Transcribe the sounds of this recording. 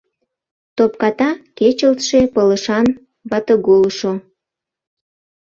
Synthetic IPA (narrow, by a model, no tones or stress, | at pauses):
t̪op̚kɑt̪ɑket͡ɕəlt̪ʃepələʃɑn | βɑt̪əɣolʃo